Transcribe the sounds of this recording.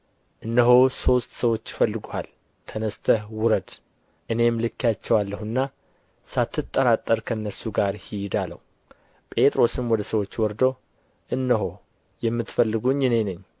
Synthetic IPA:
ʔɨnːəɦoso̞st̪səwot͡ʃːɪfəlːɨɡohal | t̪ʰənəst̪ʰəhwʊɾəd̪̥ | ʔɨne̞mlɨkʰːjat͡ʃːɛwalːəhɨnːa | sat̪ːɨt̪ʼːəɾat̪ʼːəɾkʰənːəɾsuɡaɾhid̪alə̰wu | pʼe̞t̪ʼɾo̞sɨmwɔd̪əsəwo̞t͡ʃːwɔɾd̪o | ʔɨnːəɦo̞ | jɛmːɨt̪fəlːɨɡuɲːɪne̞nɨɲː

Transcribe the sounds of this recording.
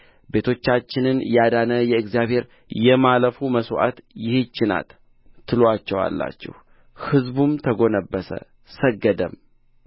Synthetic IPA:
be̞t̪ʰo̞t͡ʃːat͡ʃːɪnɨnjad̪anəjɛɨkzijaβhe̞ɾ | jɛmaləfuməsʔa̰t̪jɪhet͡ʃːɪna̰t̪ʰː | ɨloat͡ʃːɛwa̰lːa̰t͡ʃːɛ̰h | hɨzbumt̪ʰəɡo̞nəbːəsə̰ | səɡːəd̪əm

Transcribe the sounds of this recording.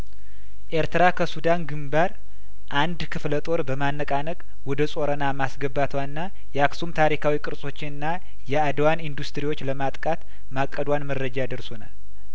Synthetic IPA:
ʔeɾt̪ʰɨɾakʰəsud̪anɡɨmbaɾ | ʔand̪kʰɨflət̪ʼo̞ɾbəmanːəkʼanəkʼ | wɔd̪əsʼo̞ɾənamasɡəbat̪ʰwanːa | jɛaksumt̪ʰaɾikʰawikʼɨɾsʼo̞t͡ʃːɪnɨnːa | jɛad̪wanind̪ust̪ɨɾiwo̞t͡ʃːləmat̪ʼkʼat̪ | makʼːəd̪wanməɾːəd͡ʒajad̪əɾsona̰l

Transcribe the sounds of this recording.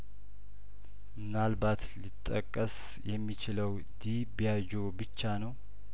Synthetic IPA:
mɨnalbat̪lit̪ʼːə̰kʼːəs | jɛmːit͡ʃɪləw | d̪i | bijad͡ʒobɨt͡ʃːanəw

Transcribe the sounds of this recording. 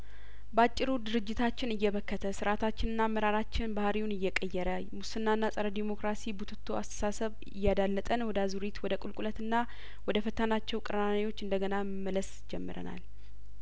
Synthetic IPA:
bəat͡ʃʼːɪɾud̪ɨɾɨd͡ʒːɪt̪ʰat͡ʃːɪnɨjːɛβəkːət̪ʰəsɨɾat̪ʰat͡ʃːɪnɨnːaməɾaɾat͡ʃːɪnbahɾiwunɨjːɛkʼəjːɛɾə | musɨnːanːasʼəɾəd̪imo̞kɾasibut̪ʰɨt̪ʰːoast̪ʰə̥sasəβ | ɪ̰jːad̪alːət̪ʼənwɔd̪əazuɾit̪wɔd̪əkʼulkʼulət̪ɨnːa | wɔd̪əfət̪ʰənat͡ʃːɛwkʼɨɾəanewo̞t͡ʃːɨnd̪əɡənaməmːələs | d͡ʒɛmːɨɾə̰na̰l

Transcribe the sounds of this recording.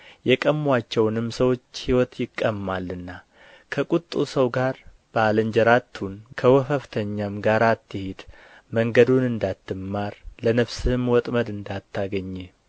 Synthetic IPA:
jɛkʼəmːwat͡ʃːɛwnɨmsəwo̞t͡ʃːhiwɔt̪jɪkʼːəmːalːɨnːa | kʰəkʼut̪ʼːusəwɡaɾ | b̥əalɨnd͡ʒɛɾat̪ʰːunkʰəwɔfəft̪ʰəɲːamɡaɾat̪ʰːɨhed̪ | məŋɡəd̪unɨnd̪at̪ːɨmːaɾlənəβsɨhmwɔt̪ʼməd̪ɨnd̪at̪ʰːaɡəɲːɛ

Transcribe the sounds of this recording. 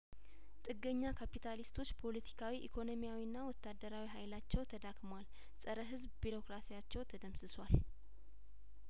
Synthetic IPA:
t̪ʼɨɡːəɲːakʰapit̪ʰalist̪ʰo̞t͡ʃːpʰo̞lət̪ʰi̥kʰawiʔikʰo̞no̞mijawinːawɔt̪ːad̪əɾawiɦajlat͡ʃːɛwt̪ʰəd̪akʼmwal | sʼəɾəɦɨzbbiɾo̞kɾasijat͡ʃːɛwt̪ʰəd̪əmsɨswal

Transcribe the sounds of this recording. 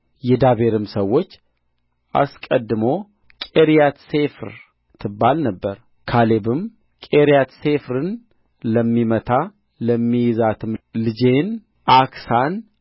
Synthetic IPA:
jɛd̪aβe̞ɾɨmsəwːo̞t͡ʃː | ʔa̰skʼəd̪ːɨmo̞ | kʼeɾijat̪se̞fɾ | t̪ʰːɨbːalnəbːəɾ | kʰale̞bɨm | kʼeɾijat̪se̞fɾɨn | ləmːimət̪ʰa | ləmːijzat̪ʰɨmlɨd͡ʒe̞n | ʔaksan

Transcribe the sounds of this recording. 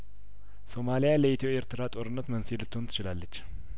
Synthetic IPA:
so̞malijaləet̪ʰoeɾt̪ʰɨɾat̪ʼo̞ɾɨnːət̪mənsilɨt̪ʰːont̪ʰɨt͡ʃɪlalːət͡ʃː

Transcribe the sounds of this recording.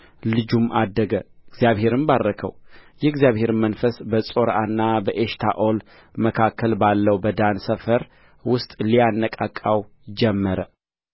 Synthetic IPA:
lɨd͡ʒumʔad̪ːəɡəɪɡzijaβhe̞ɾɨmbarːəkʰə̰wjɛɡzjaβhe̞ɾmənfəsbəsʼo̞ɾanːabəʔeʃt̪ʰa̰ʔol | məkʰakʰːəlbalːəwbəd̪ansəfəɾ | wʊst̪ʼlijanːəkʼakʼːaw | d͡ʒɛmːəɾə

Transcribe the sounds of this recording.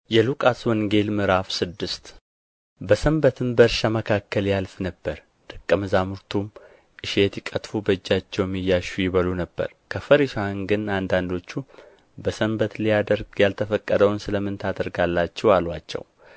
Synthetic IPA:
jɛlukʼaswɔŋɡe̞lmɨɾafsɨd̪ːɨst̪ | bəsəmbət̪ʰɨmbəɾʃaməkʰakːəljalfnəbːəɾ | d̪̥ɨkʼːəmɨzamuɾt̪ʰum | ʔɨʃet̪jɪkʼət̪fubəɨd͡ʒːat͡ʃːɛwmːijːaʃujɪβəlunəbːə̰ɾkʰəfəɾiʃaŋɡɨnand̪and̪o̞t͡ʃːu | bəsəmbət̪lijad̪əɾɡjalt̪ʰəfəkʼːəd̪əwnsɨləmːɨnt̪ʰad̪əɾɡalːat͡ʃːɛwalwat͡ʃːɛ̰w

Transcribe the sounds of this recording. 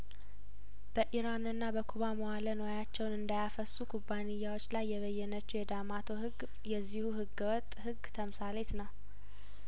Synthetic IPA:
b̥əʔiɾanɨnːabəkʰuβamowalənojat͡ʃːɛwnɨnd̪ajafəsːukʰubːanɪjːawo̞t͡ʃːlajːɛβəjːɛnət͡ʃːujɛd̪amat̪ʰo̞ɦɨɡ | jɛzːihuhɨɡːwɔt̪ʼhɨɡt̪ʰəmsalet̪nəw

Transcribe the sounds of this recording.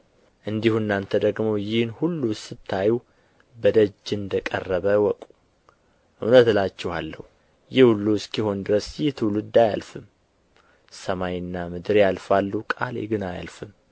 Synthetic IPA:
ʔɨnd̪ihunːant̪ʰəd̪əɡmojɪhnhulːusɨt̪ʰːaju | bəd̪əd͡ʒːɨnd̪əkʼə̰rːəβəwɔkʼu̥ | ʔṵnət̪lat͡ʃːɛha̰lːə̰hu | jɪhhulːuskiho̞nd̪ɨɾəsjɪht̪ʰɨwlɨd̪aja̰lfɨm | səmajɨnːamɨd̪ɨɾjalfalːukʼalḛɡɨnaja̰lfɨm

